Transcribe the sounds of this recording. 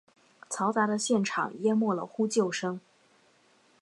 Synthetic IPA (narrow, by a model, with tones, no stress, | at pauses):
t͡sʰɑ˧˥ʊt͡sa˧˥d̪ə˧ɕjɛ˥˩nʈ͡ʂʰɑ̰˨˩˦ŋjɛ˥nmwɔ˥˩lə̰˩xu˥t͡ɕjo˥˩ʊʂɤ˥ŋ